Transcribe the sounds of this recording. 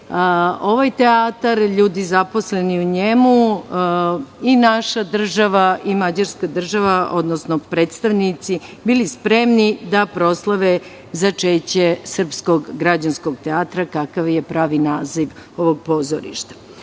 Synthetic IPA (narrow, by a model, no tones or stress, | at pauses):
o̞ʋajt̪eaːt̪aɾʎuːd̪izapo̞sleniuɲemu | inaʃad̪r̩ʒaʋaʔimad͡ʑaɾskad̪r̩ʒaʋaʔo̞d̪nosnopɾe̞ːt̪st̪aʋnit̪sibilispɾe̞mnid̪apɾo̞slˠaʋe | zat͡ʃeːt͡ɕesr̩pskoɡɡɾad͡ʑansko̞ɡt̪eaːt̪ɾakakaʋjepɾaːʋinaːziʋo̞ʋoɡ̚po̞zoɾḭʃt̪ḁ